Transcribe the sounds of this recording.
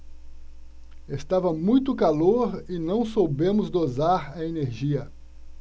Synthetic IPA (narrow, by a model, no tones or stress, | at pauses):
est̪avɐmũj̃t̪ʊkaloɾɪnɐ̃w̃sowbẽmʊzd̪ozaɾɐeneɾʒiɐ